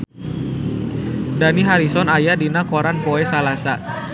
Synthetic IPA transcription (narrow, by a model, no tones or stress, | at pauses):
daniɦaɾisɔnajadinakoɾanpoɛsalasa